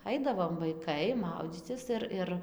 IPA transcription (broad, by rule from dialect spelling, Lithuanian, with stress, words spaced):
ˈɐɪdɐʋoːm ʋɐɪˈkɐɪ ˈmɐʊd͡zʲiːt͡sʲɪs ɪr ˈɪr